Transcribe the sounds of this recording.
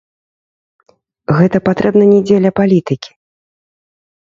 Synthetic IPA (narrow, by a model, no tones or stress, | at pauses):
ɣɛt̪ɐpat̪ɾɛbnɐnʲɛd͡zʲelʲɐpalʲit̪ɨkʲi̥